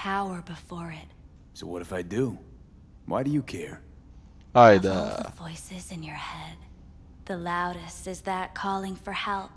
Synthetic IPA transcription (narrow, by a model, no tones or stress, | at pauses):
pʰaʊə˞bɨfɔɹɪt̚ | soʊwʌɾɨfaɪdu | wʔa̰ɪɾɨjɨkʰɛɹ | aɪdæ̰vɔɪsɪzɨ̃njə˞hɛd̚ | ðɨlaʊɾɨstɨzðɨt̚kʰɔlˠɪ̃ŋfə˞hɛlˠp